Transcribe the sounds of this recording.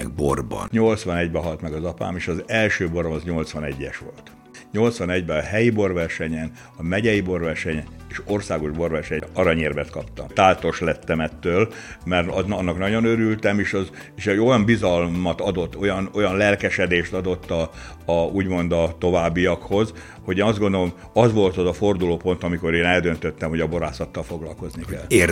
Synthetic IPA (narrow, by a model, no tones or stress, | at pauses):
ɛɡ̚borbɒ̰nɲo̞lt̪sʋɒnɛɟbɛɦɒlt̪mɛɡɒzɒpa̰ːmeːʃɒzɛlʃøːbo̞ɾomɒzɲo̞lt̪sʋɒnɛɟːɛ̰ʃʋo̞̰lt̪ | ɲo̞lt̪sʋɒnɛɟbɛɒhɛjibo̞rvɛrʃɛɲɛn | ɒmɛɟɛjibo̞rʋɛrʃɛɲɛneːʃo̞rsaːɡo̞ʒbo̞rvɛrʃɛɲɛɒɾɒɲeːrbɛt̪kɒpt̪ɒ̰mt̪aːlt̪o̞ʃlɛt̪ːɛmɛt̪ːøːl | mɛrɒnɒnːɒknɒɟo̞nøɾylt̪ɛmeːʃɒz | eːʃɛo̞jɒmbizɒlmɒt̪ɒd̪o̞t̪ːo̞jɒno̞jɒnlɛlkɛʃɛd̪eːʃt̪ɒd̪o̞t̪ːɒː | uːɟmo̞nd̪ɒt̪o̞vaːbːijɒkho̞z | ho̞ɟeːnɒzd̪ɡond̪olom | ɒzʋo̞lt̪ɒzɒfo̞rd̪uloːpo̞nt̪ɒmiko̞ɾeːnɛld̪ø̞nt̪øt̪ːɛmho̞ɟɒbo̞ɾaːsɒt̪ːɒlfo̞ɡlɒ̰lko̞znikɛ̰l